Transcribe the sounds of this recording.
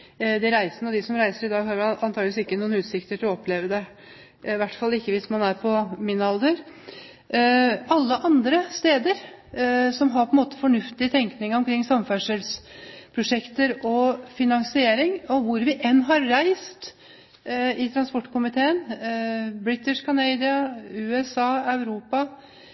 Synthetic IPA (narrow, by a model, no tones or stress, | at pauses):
d̪ɛɾæɪsənəɔd̪ɪsɔmɾæɪsəɾɪd̪ɑːɡhɑɾɑnʰɑːɡlʋɪsɪkːənuːnʉːt̪sɪkt̪əʈʰɪlɔɔpʰːleːʋəd̪ɛ | ʋæʈːfɑlːɪkːəʋɪsmɑnæɾpʰɔmɪnːɑld̪əɾ | ɑlːəʔɑnd̪ɾəst̪eːd̪əɾ | sɔmɦɑɾpʰɔɛnmoːt̪ə̥fɔɳʉft̪ɪət̪ʰɛŋknɪŋəɾɔmkʰɾɪŋːsɑmːfæʂəlspʰɾʊʂɛkt̪əɾɔfɪnɑŋsɪeːɾɪŋɔʋʊɾʋɪʔɛnːɦɑɾːæɪst̪ | ɪt̪ʰɾɑnspɔʈːkʊmɪt̪ʰeːən | bɾɪt̪ːɪʂkʰɑneɪd̪ɪɑʉːɛsɑːɑʉɾuːpɑ